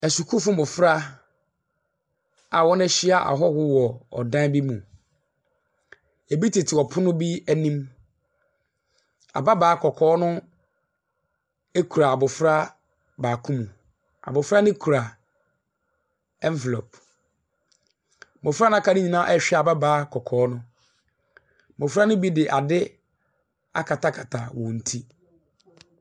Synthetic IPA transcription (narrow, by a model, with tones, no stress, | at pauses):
ɛ˨su˨kʰu˦fʊ˦mʊ̃˨fɾa˦ | a˨wɔ˦nɛ˦ɕɪ˦a˨ʔa̰˨ɦɔ˦hʊ˦wɔ˨ɔ̰˨dã˦bi˦mũ˨ | e˨bi˦tʰi˨tʰɪ˨ɔ˨pʰʊ˦nʊ̃˦bi˦æ˦˨nĩ˦m | a̰˨ba˦baː˨˦kʰɔ˨kʰɔː˦nʊ̃˦ | e˦kʰu˨ɾa˨a˨bʊ˨fɾa˦ | baː˨kʰũ˦mũ˨ | a̰˨bʊ˨fɾa˦nɪ̃˦kʰu˨ɾa˨ | ɛ˦m˦vɛ˨lo˨p | mʊ̃˨fɾa˦nʊ̃˦kʰa˦˨nɪ̃˦ɲĩ˨nã˦ʔɛ˦ɕᶣɛ˦˨a˨ba˦baː˨˦kʰɔ˨kʰɔː˨˦nʊ̃˦ | mʊ̃˨fɾa˦nʊ̃˦bi˦dɪ˨ʔa˨dɪ˦ | a̰˦kʰa˨tʰa˦kʰa˨tʰa˨wɔ̃˨n̩˨tʰi˦